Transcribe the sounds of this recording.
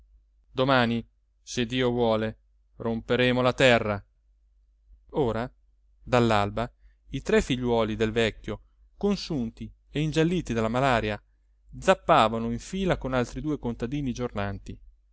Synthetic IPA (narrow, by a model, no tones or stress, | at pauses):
d̪omaːni | sed̪ːiːovwɔːle | rompeɾeːmolat̪ɛrːa | oːɾa | d̪alːalba | it̪ɾɛfːiʎːwɔːlid̪elvɛkʲːjo | konsunt̪i | eind͡ʒalːiːt̪id̪alːamalaːɾja | d̪zapːaːvanoiɱfiːlakonalt̪ɾid̪uːekont̪ad̪iːnid͡ʒornant̪i